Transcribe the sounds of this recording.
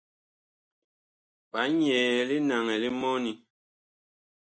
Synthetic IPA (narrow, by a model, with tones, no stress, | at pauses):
pa˨˦ɲɛː˨li˦na˨ŋɛ˨li˦mɔ˦ni˨